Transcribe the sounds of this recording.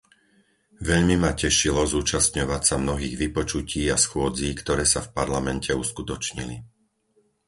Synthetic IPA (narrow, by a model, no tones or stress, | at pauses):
ʋɛʎmimacɛʃilɔzuːt͡ʃast̪ɲɔʋacsamnɔɦiːɣʋipɔt͡ʃuciːasxʊɔd͡ziːkt̪ɔɾɛːsafpaɾlamɛncɛuskut̪ɔt͡ʃɲḭlḭ